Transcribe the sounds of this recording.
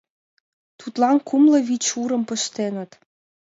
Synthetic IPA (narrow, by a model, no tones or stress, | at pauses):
t̪ut̪lɑnkʰumlɤ̆βit͡ɕuɾə̆mpə̆ʃt̪enə̆t̪